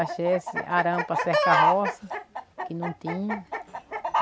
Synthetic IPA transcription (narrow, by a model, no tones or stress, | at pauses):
aʃesɪ̰ʔaɾɐ̃pɐsɛht̪ɐɦɔsɐkɪnɐ̃w̃t̪ĩɲɐ